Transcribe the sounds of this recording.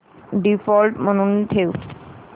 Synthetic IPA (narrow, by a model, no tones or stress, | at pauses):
ɖifɔlʈmonunt̪ʰew